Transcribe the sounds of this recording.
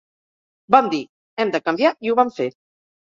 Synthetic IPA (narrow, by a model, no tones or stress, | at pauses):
bamd̪i | ɛmd̪əkəmbjaiuβamfe